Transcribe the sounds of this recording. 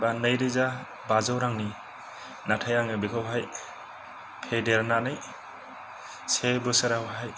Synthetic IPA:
banɯjɾiza | bazɔwɾaŋni | natʰajaŋɯbikʰawɦaj | pʰedeɾnanɯj | sebɯseɾawɦaj

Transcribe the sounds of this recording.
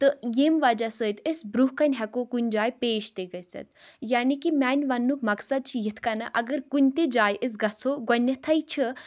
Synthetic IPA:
t̪ɨjeːmʋad͡ʒasəːjt̪ʰesbɾuɦkɐnʲɦɐkokunʲd͡ʒaːjpeːʃt̪eɡɐjsɐ̰t̪jaːnikimʲaːnʲʋɐnːuk̚mɐksɐd̪̚t͡ʃʰijit̪ʰkɐnɐʔɐɡəɾkunʲt̪ed͡ʒaːjʔes̬ɡɐt͡sʰoɡɔnʲːɐt̪ʰɐjt͡ʃʰə

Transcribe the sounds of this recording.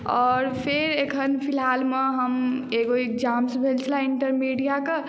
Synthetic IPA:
ɔːɾpʰeɾekʰənpʰilɦaːlmeɦəmeɡoid͡ʒaːmsbʱelt͡ʃʰlaiɳʈəɾmiɖijake

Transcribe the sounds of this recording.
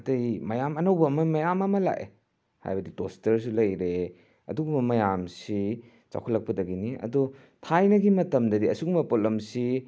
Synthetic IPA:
tɐjmɐjamɐnɐwbɐmɐmɐjamɐmɐla̰ʔḛ | ha̰jbɐditostɐɾs̬ulɐjɾe | ɐ̰duɡumbɐmɐjamsi | t͡ʃa̰wkʰulɐk̚pɐdɐɡiniɐ̰du | tʰajnɐɡimɐtɐmdɐdiɐsuɡumbɐpolɐmsi

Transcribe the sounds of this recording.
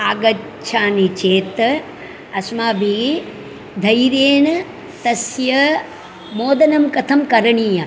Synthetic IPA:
aːɡɐ | t͡ʃʰaːnit͡ʃeːt̪ | ɐsmaːbʱi | d̪ʱɐjɾeːɳ | t̪ɐsjɐ | moːd̪ɐnɐmkɐt̪ʰɐmkɐɾɐɳiːjɐ

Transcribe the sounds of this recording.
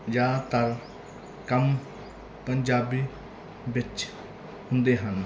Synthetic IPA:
jaːt̪ɐɾ | kɐm | pənd͡ʒaːbi | bɪt͡ʃ | hʊ̃nd̪eːɦən

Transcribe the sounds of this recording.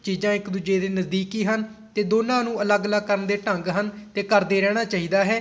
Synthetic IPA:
t͡ʃiːzãːɪkd̪uːd͡ʒeːd̪eːnəzd̪iːkiːɦən | t̪eːd̪oːnãːnũːələɡələɡ̚kəɾənd̪eːʈəŋɡɦənt̪eːkəɾd̪eːɾɛːɽ̃aːt͡ʃaːɦiːd̪aːɦɛː

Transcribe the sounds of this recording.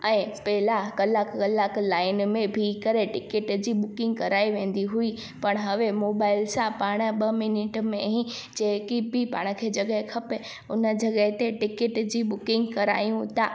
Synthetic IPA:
ɛ̃ːpɐɦɪlakɐlaːkkɐlaːklaːɪnmẽbʱikɐɾeʈɪkɪʈd͡ʑiːɓʊkɪ̃ŋɡ̚kɐɾaːiʋẽːn̆d̪iɦui | pɐɽ̃ɦɐʋemoːbaːɪlsãpaːɽ̃ə̆ɓɐmɪnɪʈmẽɦĩd͡ʑeːɦkibʱɪpa̰ːɽ̃̆kʰeːd͡ʑɐɠəɦekʰɐpe | ʊnə̆d͡ʑɐɡəɦɪt̪eʈɪkɪʈd͡ʑiːɓʊkɪ̃ŋɡkɐɾa̰ːjũt̪ʰaː

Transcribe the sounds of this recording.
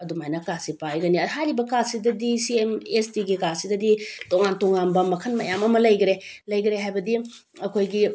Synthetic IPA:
ɐdumajnɐkasipajɡɐniɦajɾibɐkasidɐdisiemestiɡikasidɐditoŋantoŋanbɐmɐkʰɐnmɐjamɐmɐlɐjɡɾelɐjɡɾeɦajbɐdi | ɐkʰojɡi

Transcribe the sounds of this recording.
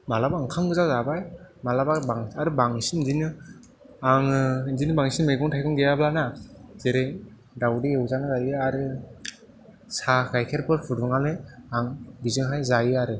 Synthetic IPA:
malabaŋkʰaŋɡɯzazabajmalababaŋaɾɯbaŋsinzinɯ | aŋzinɯbaŋsinmejɡɔŋtʰajkʰɔŋɡejablanaz̥eɾej | dawdiewzanɯzajɯaɾɯ | sakʰajkʰeɾpʰɯɾpʰuduŋalɯaŋbizɯŋɦajzajɯaɾɯ

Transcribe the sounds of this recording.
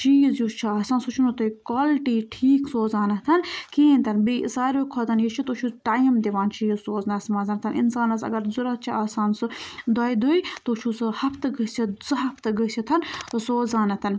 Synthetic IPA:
t͡ʃʰiizjut͡ʃʰiaːsaːnsut͡ʃʰunut̪oikoːlʈiːʈʰiːksoːzaːnɐt̪ʰɐnkiːnʲt̪ɐnbiːsaːɾokʰot̪ɐnjit͡ʃʰit̪ot͡ʃʰuʈaːmd̪iʋaːnt͡ʃʰijizsoːznɐːsmaːzɐnt̪ʰɐnʔḭnsaːnɐsɐ̰ɡɐɾzuɾɐt̪̚t͡ʃʰiaːsaːnsɨd̪aːjd̪uit̪ot͡ʃʰusɨhɐpʰt̪ɨɡəsʰizɐɦɐpʰt̪ɨɡəsʰit̪ʰɐnsoːzaːnɐt̪ʰɐn

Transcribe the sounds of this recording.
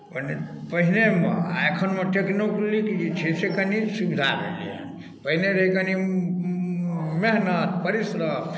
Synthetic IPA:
pənepəɦinemḛa̰ekʰənmeʈeknoklikd͡ʒit͡ʃʰisekənisikʰd̪ʱabʱḛlḭə̰ni | pəɦineɾɦikəni | meɦnət̪pəɾisɾə

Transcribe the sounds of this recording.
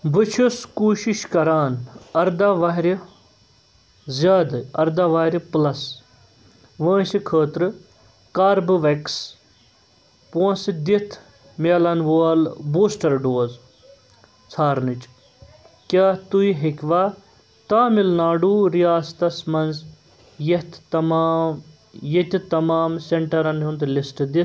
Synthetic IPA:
bɨt͡ʃʰuskuːʃiʃkɐɾaːnɐɾd̪aːʋaɦɾi | zjaːd̪ɐɾd̪aːʋaːɾʲplɐs | ʋə̃ːʃikʰəːt̪ɾɨ | kaːɾbɨʋɐks | põːsd̪it̪ʰ | maːlɐnʋoːlboːsʈɐɾɖoːz | t͡sʰaːɾnit͡ʃ | kʲaːt̪uiɦikʲʋaː | t̪aːmilnaːɖuːɾijaːst̪ɐsmɐnz | jet̪ʰt̪ɐmaːm | jet̪ʲit̪ɐmaːmseɳʈɐɾɐnɦund̪lisʈd̪i

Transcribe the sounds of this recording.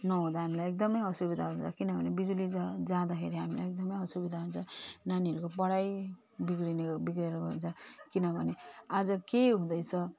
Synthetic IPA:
nʌɦũd̪aɦamilajek̚d̪ʌmʌjʌsubid̪ʱaɦunt͡sʰʌkinʌbʱʌnebid̪ulid͡zʌd͡zãd̪ʌkʰeɾiɦamila̰jek̚d̪ʌmʌjʌsubid̪ʱaɦũnt͡sʰʌnaniɦʌɾukopʌɽaj | bikɾinbikreɾʌɡʌunt͡sʰʌkinʌbʱʌnead͡zʌkeɦũd̪ʌjt͡sʰʌ

